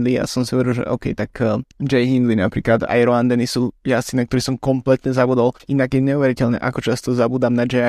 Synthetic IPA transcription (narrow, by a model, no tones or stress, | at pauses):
lija̰sɔmsiɔʋɛɾɛlʒɛ̰ʔɔ̰ʊkɛ̰jt̪akːd͡ʒɛjɦind̪linapɾḭːklad̪a̰jɾɔand̪ɛnisujasinak̚t̪ɔɾisɔmkɔmplɛt̪ɲɛzabuːd̪alinaɡjɛɲɛuʋɛɾicɛʎnɛ̰ʔakɔt͡ʃast̪ɔzabuːd̪amnad͡ʒɛ